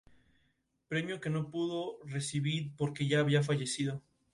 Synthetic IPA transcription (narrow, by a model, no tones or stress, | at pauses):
pɾe̞mjo̞ke̞no̞puðo̞re̞siβiɾpo̞ɾke̞ʝaːβiaf̬aʝe̞siðo̞